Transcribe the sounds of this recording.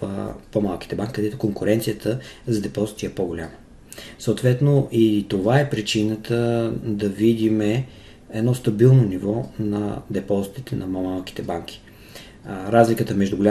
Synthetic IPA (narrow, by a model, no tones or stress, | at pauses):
fpomalˠki̥t̪ɛbaŋkʲi̥kəd̪ɛt̪ʊkoŋkʊɾɛnt̪sijət̪ʰəzɐd̪ɛpɔzit̪iɛpɔɡolʲamə | sot̪vɛt̪noʔit̪ovaɛpɾit͡ʃinət̪ʰəd̪ɐvid̪imɛ | ɛd̪nɔst̪ɐbilˠnonivɔnɐ̰d̪ɛpɔzit̪it̪ɛnɐmomalˠki̥t̪ɛbaŋk̟ʰʲi̥ | ɾazlʲikət̪əmɛʒd̪uɡʊlʲa